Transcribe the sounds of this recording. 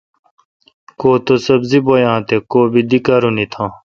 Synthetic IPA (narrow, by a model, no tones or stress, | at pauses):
koːt̪osɐbzibojãːt̪ekoːbid̪ikaɾunit̪ʰãː